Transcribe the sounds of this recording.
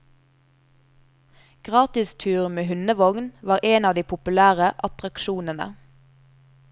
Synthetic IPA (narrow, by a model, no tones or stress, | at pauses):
ɡ̥ʁɑːt̪ɪst̪ʰʉːʁmeːhʉnəʋɔŋnʋɑːʁeːnɑːʋd̪iːpʰʊpʉlæːʁəʔɑt̪ʁɑkʃuːnənə̰